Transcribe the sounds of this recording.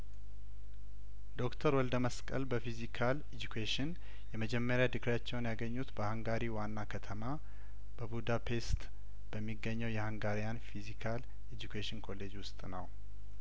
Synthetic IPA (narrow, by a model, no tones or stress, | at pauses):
d̪o̞kt̪ʰəɾwɔld̪əməskʼə̰lbəfizikʰaled͡ʒukʰeʃɪn | jɛməd͡ʒɛmːəɾjad̪ɨkɾjat͡ʃːɛwnjaɡəɲːut̪bəhaŋɡaɾiwanːakʰət̪ʰəma | b̥əbud̪apʰe̞st̪ | b̥əmːiɡːəɲːɛwjɛhaŋɡaɾijanfizikʰal | ed͡ʒukʰeʃɪnkʰo̞le̞d͡ʒwʊst̪ʼnəw